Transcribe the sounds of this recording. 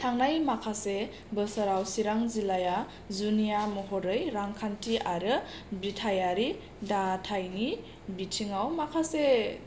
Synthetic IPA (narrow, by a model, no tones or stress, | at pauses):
tʰaŋnajmakʰase | bɯsaɾawsiɾaŋzilaja | zunijamɔɦɔɾɯjɾaŋkʰantʰiʔaɾɯ | bɾitʰajaɾi | datʰajni | bitʰiŋawmakʰase